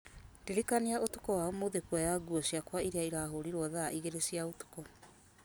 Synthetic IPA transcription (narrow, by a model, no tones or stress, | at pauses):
ndeɾekaneaʔotukɔwaomoðekuajaɡuɔsiakwaiɾeaiɾaɦoɾiɾwɔðaʔiɣeɾesiaotu̥kɔ